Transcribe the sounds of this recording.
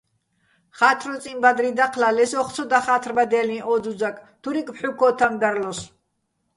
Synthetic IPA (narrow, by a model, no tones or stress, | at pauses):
χat̪ʰɾɔt͡sʼimbad̪ɾid̪aqʰlalɛsɔχt͡sʰɔd̪aχat̪ʰrbad̪ɛlĩʔɔd͡zud͡zakʼt̪ʰuɾikʼpħukʰɔt̪ʰamd̪aɾlɔs